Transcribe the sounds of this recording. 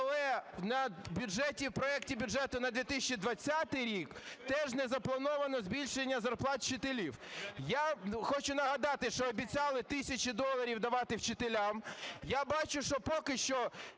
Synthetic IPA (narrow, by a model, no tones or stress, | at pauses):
ɐlˠɛnɐbʲʊʒɛtʲiwpɾɔɛk̚tʲibʲʊʒɛt̪ʊnɐd̪ʋʲit̪ɪsʲt͡ʃid̪ʋɐt͡sʲːat̪ɪjɾʲikt̪ɛʒnɛzɐplˠɐnɔʋɐnɔzʲbʲilʲʃenʲːɐzɐrplˠɑt̪̚t͡ʃɪt̪elʲiwjaxɔt͡ʃʊnɐɦɐd̪ɑt̪ɪʃt͡ʃɔːbʲit͡sʲɑlˠɪt̪ɪsʲɐt͡ʃid̪ɔlˠɐɾʲiwd̪ɐʋɑt̪ɪwt͡ʃɪt̪elʲamjabɑt͡ʃʊʃt͡ʃɔpɔkɪʃt͡ʃɔ